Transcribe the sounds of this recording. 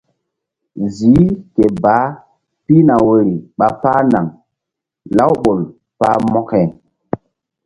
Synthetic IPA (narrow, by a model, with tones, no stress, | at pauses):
zi˨˦ke˨baː˨˦ | pi˦na˨we˨ɾi˨ɓa˨paː˦na˨ŋ | la˦wɓo˨l | paː˦mɔ˦kɛ˨